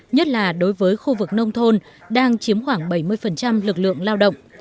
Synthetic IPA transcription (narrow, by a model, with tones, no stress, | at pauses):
ɲə˦˥t̚laː˨˩ɗo˨˦jvəː˨˦jxu˧vɨ˨˩k̚nə˧wŋ͡mt̪ʰo˧n | ɗaː˧ŋt͡ɕi˨˦əmxwaː˧˩ŋɓa˧˩jmɨ˧əjfə˨˩nt͡ɕa˧mlɨ˨˩k̚lɨ̰˧˨əŋlaː˧wɗə̰˧˨wŋ͡m